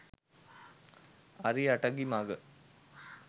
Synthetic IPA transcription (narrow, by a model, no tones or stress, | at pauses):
ɐɾiɐʈɐɡimaːɡɐ